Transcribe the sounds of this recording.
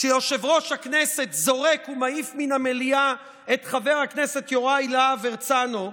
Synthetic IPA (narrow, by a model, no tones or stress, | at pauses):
ʃejoʃe̞vʁo̞ʃhaknese̞t̪zo̞ʁe̞kumaifminamelia | e̞t̪χave̞ʁhaknese̞t̪jo̞ʁajleaveʁt͡sano